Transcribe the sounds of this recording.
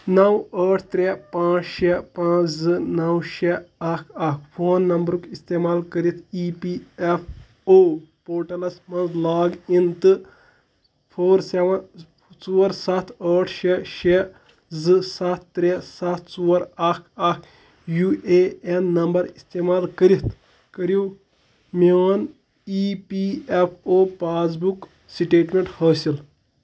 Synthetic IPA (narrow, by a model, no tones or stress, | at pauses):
nɐwəːʈʰt̪ɾepãːt͡ʃʃepãːt͡ʃzɨnɐwʃeɐkʰɐkʰpʰoːnːɐmbɾukist̪eːmaːlkɐɾit̪ʰiːpiːepʰ | oːpoːʈɐlɐsmɐ̃nzlaːɡint̪ɨ | pʰoːɾseʋɐn | t͡suːɾsɐt̪ʰəːʈʰʃeʃe | zɨsɐt̪ʰːɾesɐt̪ʰt͡suːɐɾɐkʰɐk | jueːenːɐmbɐɾist̪eːmaːlkəɾit̪ | kəɾiw | meʋɐn | ipiːepʰoːpaːs̬buk | siʈeːʈmeɳʈhəːsil